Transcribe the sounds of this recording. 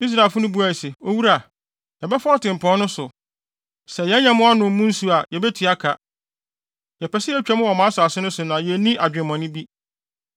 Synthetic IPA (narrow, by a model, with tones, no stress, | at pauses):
i˦s̬ɾa˨lfʊ˦nʊ̃˦bu˦a˨i˨se˨o˦wu˦ɾa˨ | jɛ˨bɛ˦fɔ˦ɔ˦tɪ̃˨m̩˨pʰɔ̃˦nʊ̃˦sʊ˨ | sɛ˨jɛ˨˦ɲã˦mʊ̃˦a˦nʊ̃˨m˦mʊ̃˦n̩˦su˨a˨jɛ˨bɛ˦tʰi˨˦a˦kʰa˨ | jɛ˨pɛ˨sɪ˦ɛ˦t͡ɕᶣɛ˦mʊ̃˦wɔ˨mã˦sʊ˨a˨sɪ˦nʊ̃˦sʊ˨nã˨jɛ˨nĩ˦ʔa˨d͡ʑᶣɪ̃˨mã˨nɪ̃˦bi˦